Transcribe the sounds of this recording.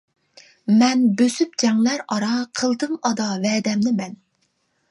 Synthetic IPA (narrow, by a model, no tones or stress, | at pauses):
mɛnbøsyp̚d͡ʒɛŋlæɾɑɾɑqʰəlˠd̪ɨmɑd̪ɑvɛːd̪ɛmnɪmɛn